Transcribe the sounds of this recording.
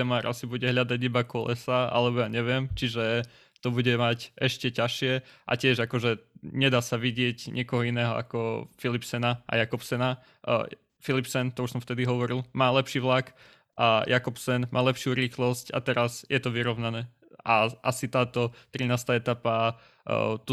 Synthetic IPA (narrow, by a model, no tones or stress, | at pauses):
ɛmaːɾʔa̰sibuɟɛɦlʎad̪aɟibakʊɔlɛ̰saa̰lɛbɔjaɲɛʋɪɛmt͡ʃiʒɛ | t̪ɔbuɟɛmacʔɛʃcɛcaʃɪɛʔa̰cɪɛʒakɔʒɛɲɛd̪aːsaʋiɟɪɛɟɲʔɪɛkɔɦɔinɛːɦɔʔa̰kɔfilipsɛnaʔa̰jakɔpsɛna | filipsɛnt̪ɔuʃsɔmft̪ɛd̪iɦɔʋɔɾilˠmaːlɛpʃiːʋlak | ajʔakɔpsɛnmʔaːlɛpʃɪuɾiːxlɔsca̰t̪ɛɾazjɛt̪ɔʋiɾɔʊnanɛː | aʔa̰sit̪aːt̪ɔt̪ɾinaːst̪aːɛt̪apa | t̪u